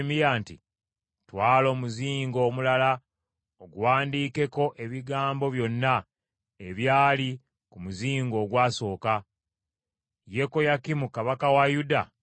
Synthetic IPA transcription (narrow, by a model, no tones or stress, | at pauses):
mijaːnti | twaːlo̞ːmuziːŋɡo̞ːmulala | oɡuwaːndiːke̞ko̞ʔe̞βiɡaːmbo̞βjo̞nːa | e̞βjaːli | kumuziːŋɡo̞ːɡwaːso̞ːka | je̞ko̞jakimukaβakawajuda